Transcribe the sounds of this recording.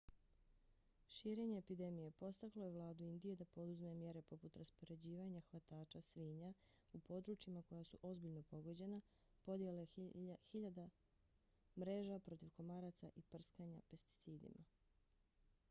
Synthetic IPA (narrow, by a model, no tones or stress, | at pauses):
ʃiːɾe̞ɲe̞ːpid̪e̞mije̞po̞st̪aklˠo̞je̞ʋlˠaːd̪uind̪ije̞d̪apo̞d̪uzmemje̞ɾe̞po̞put̪ɾaspo̞ɾe̞d͡ʑiːʋaɲaxʋat̪aːt͡ʃasʋiːɲa | upʰo̞d̪ɾut͡ʃimako̞jasuʔo̞zbiʎno̞po̞ɡo̞d͡ʑe̞na | po̞d̪je̞laxiʎad̪a | mɾe̞ːʒapɾo̞t̪iʋko̞maɾat̪saʔipr̩skaɲape̞st̪i̥t̪siːd̪ḭma